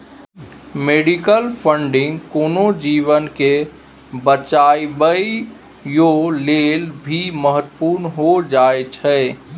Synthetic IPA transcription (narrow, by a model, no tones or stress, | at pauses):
meːɖikəlpʰəɳɖɪ̃ŋɡkoːnod͡ʒiːʋənke | bət͡ʃaibəi | joleːlbʱiməɦət̪ːpuːɾnɦod͡ʒaet͡ʃʰɛ